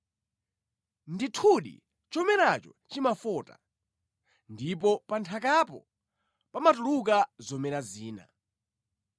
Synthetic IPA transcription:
nditʰuɗḭ | t͡ʃɔmɛnat͡ʃɔ̰ | t͡ʃimafɔːta̰ | ndip̬ɔpantʰakapɔ̰ | pamatuluk̬azɔmɛnaziːna̰

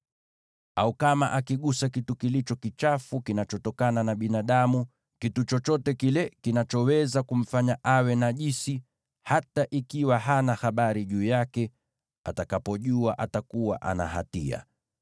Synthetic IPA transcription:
aukamaʔakiɠusakitukilit͡ʃɔkit͡ʃafukinat͡ʃɔtɔkananaɓinaɗamu | kitut͡ʃɔt͡ʃɔtɛkilɛkinat͡ʃɔwɛzakum̩faɲaʔawɛnaʄisi | hataʔikiwaɦanahaɓaɾiʄuːjakɛ | atakapɔʄuaʔatakuwa̰ʔa̰na̰ha̰tia̰

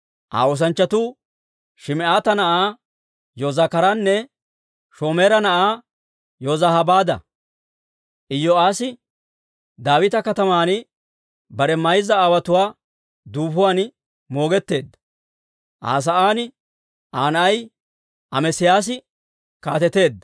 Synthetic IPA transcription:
ʔa̰ːoːs̬ɐnt͡ʃːɐt̪uː | ʃɪmɛʔaːt̪ɐnɐʔaː | joːzaːkɐɾanːɛ | ʃo̞ːmeːɾɐnɐʔaː | joːzahɐbaːd̪ɐ̰ | ʔɪjːɔaːsɪ | d̪aːwɪt̪ɐkɐt̪ɐmaːn | bɐɾɛmɐjzɐːwɐt̪ʊwaː | d̪uːfʊwaːn | mo̞ːɡɛt̪ːe̞ːd̪ːɐ̥ | ʔa̰ːs̬ɐʔaːnɪ | ʔaːnɐʔɐj | ʔɐmɛsɪjaːs̬ɪ | kaːt̪ɛt̪e̞ːd̪ːɐ

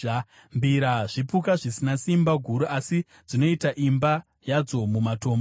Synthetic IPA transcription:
mbiɾaʐipukaʐisinasimbaɡʱuɾuʔasi | d͡zino̞itaʔimba | jad͡zo̞mumato̞ːmbo

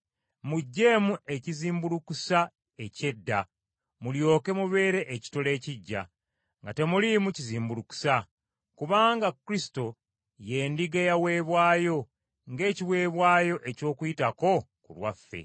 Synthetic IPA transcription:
muɟːe̞mue̞ciziːmbulukusa | e̞ce̞dːa | muljo̞ːke̞muβe̞ːɾe̞ʔeci̥tole̞ːciɟːa̰ | ŋɡate̞mulimuciziːmbuluku̥sa | kuβaːŋɡakɾisi̥to̞ | je̞ːndiɡejawe̞ːβwaːjo̞ | ŋɡe̞ːciwe̞ːβwaːjo̞ʔe̞co̞ːkujitako̞kulwafːe̞̰

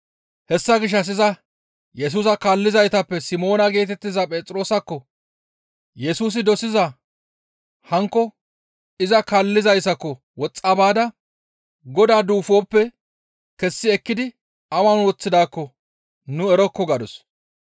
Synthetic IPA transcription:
hɛsːɐɡɪʃ̬ːɐs̬ɪzɐ | jɛs̬uːsɐkalːɪzɐjt̪ɐpːɛsɪmo̞ːnɐɡe̞ːt̪ɛt̪ːɪzɐpʼeːt͡sʼɾo̞ːsɐkːɔ | jɛsuːs̬ɪd̪ɔsɪzɐ | hɐŋkːɔ | ɪzɐkɐlːɪzɐjsɐkːɔ | wɔt͡sʼːɐbaːd̪ɐ | ɡɔd̪aːd̪uːfo̞ːpːɛ | kɛsːɪɛkːɪd̪ɪ | ɐwɐnwɔt͡sːɪd̪aːkːɔ | nʊɛɾɔkːɔɡɐd̪ɔs

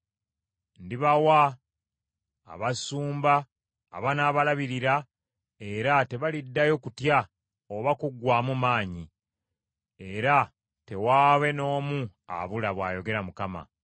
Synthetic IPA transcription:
ndiβawa | βasuːmba̰ː | βanaːβalaβiɾiɾa | e̞ɾate̞βalidːajo̞kutja | oβakuɡwaːmumaːɲi | e̞ɾa | te̞waːβe̞no̞ːmua̰βulaβwaːjo̞ɡe̞ɾamukama̰

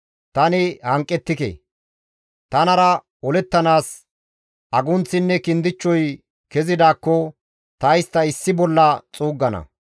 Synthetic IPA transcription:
t̪ɐnɪhɐŋkʼːɛt̪ːɪkḛ | t̪ɐnɐɾɐ | ɔlɛt̪ːɐnaːs | ɐɡʊnt͡sːɪnːɛkɪnd̪ɪt͡ʃːɔj | kɛzɪd̪aːkːɔ | t̪ɐjst̪ːɐɪsːɪbɔlːɐt͡sʼuːɡːɐnɐ̰

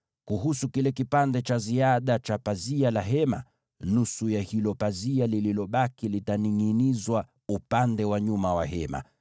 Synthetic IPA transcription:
kuɦusukilɛkipandɛt͡ʃaziaɗat͡ʃapazialaɦɛma̰ | nusujahilɔpazialililɔɓakilitaniŋinizwa | upandɛwaɲumawaɦɛma̰

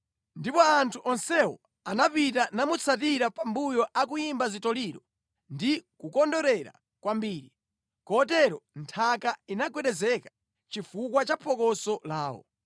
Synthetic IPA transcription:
ndipɔantʰuʔɔnsɛwɔ̰ | anapit̬anamut͡sʰat̬iɾapambujɔʔak̬ujimbazitɔliɾɔ | ndikukɔndɔɾɛɾa̰ | kwambiːɾi | kɔt̬ɛɾɔntʰakainakwɛɗɛzɛkḁ | t͡ʃifukwat͡ʃapʰɔkɔsɔlaːwɔ̰

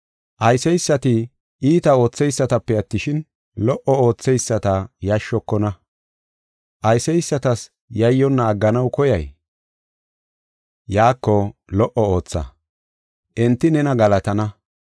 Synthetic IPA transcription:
ʔɐjsɛjsːɐt̪ɪ | ʔiːt̪ɐo̞ːt͡sːɛjsːɐt̪ɐpːɛɐt̪ːɪʃɪn | lɔʔɔo̞ːt͡sːɛjsːɐt̪ɐjɐʃːɔkːɔnɐ | ʔɐjsɛjsːɐt̪ɐs | jɐjːɔnːaːɡːɐnɐwkɔjɐj | jaːkːɔlɔʔɔo̞ːt͡sːɐ̰ | ʔɛnt̪ːɪnɛnɐɡɐlɐt̪ɐnɐ

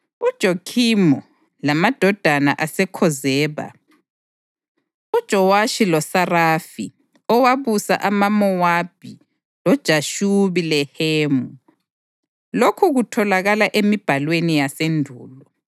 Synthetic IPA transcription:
ud̥ʒ̥ʱokʰimɔ | lamad̥ʱɔd̥ʱana̰ʔasɛkʰɔzɛːβa̰ | ud̥ʒ̥ʱɔwaʃilɔsarafi | ɔwaβusa̰ʔamamɔwab̥ʱi | lɔd̥ʒ̥ʱaʃuβilɛheːmu | lokʰuɣutʰɔlaɣalaʔemib̥ʱalwenijasendʱuːlɔ

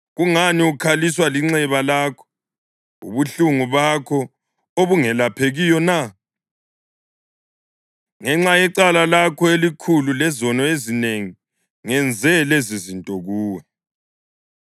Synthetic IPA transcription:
ɣuŋaniukʰaliswaliŋ͡ǀɛβalakʰɔ̥ | ṵβuɬuŋuβakʰɔ | oβuŋɛlapʰeɣijɔna | ŋɛŋ͡ǁajɛǀalalakʰɔelikʰululɛzɔnɔezineŋi | ŋɛnd͡zʱɛlezizintʼɔɣuːwɛ

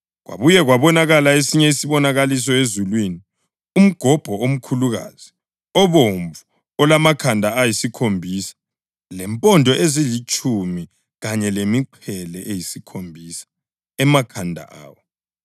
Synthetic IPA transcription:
ɣwa̰βujɛɣwaβɔnaɣalaesiɲɛisiβɔnaɣalis̬ɔezulwini | um̩ɡ̥ʱɔb̥ʱɔom̩kʰuluɣa̰z̥i | ɔβoɱvu | ɔlamakʰandʱaːjisikʰombʱisḁ | lɛmpʼɔndʱɔʔezilit͡ʃʼʰumi | ɣaɲɛlemiǃʰɛlɛʔejisikʰombʱisḁ | ɛmakʰandʱa̰ʔa̰ːwɔ

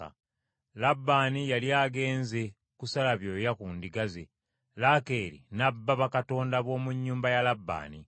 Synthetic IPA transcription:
a̰ | labːaːnijaliaɡe̞ːnze̞ | kusalaβjo̞ːjakuːndiɡaze | lake̞ːɾḭnabːaβakato̞ːndaβo̞ːmuɲːuːmbajalabːa̰ːni

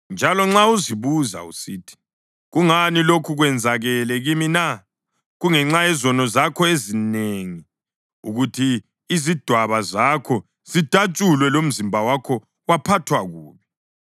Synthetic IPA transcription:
nd͡ʒʱalɔŋ͡ǁauziβuza̰ṵsiːtʰi̥ | ɣuŋanilokʰuɣwɛnd͡zʱaɣɛlɛɣimina | ɣuŋɛŋ͡ǁaɛzɔnɔzakʰɔezineŋi | ṵɣutʰiː | zid̥ʱwaβazakʰɔ | z̥id̥ʱat͡ʃʼulwɛlom̩zimbʱawakʰɔ | wapʰatʰwaɣuːβɛ

